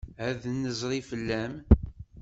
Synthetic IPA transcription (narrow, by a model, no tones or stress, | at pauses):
hæðnːəzˤɾˤifəlːæm